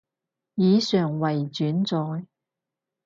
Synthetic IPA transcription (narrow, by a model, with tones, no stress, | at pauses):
jiː˨˧sœː˨˩ŋwɐ˨˩jt͡ʃyː˨˥nt͡sɔː˨˧j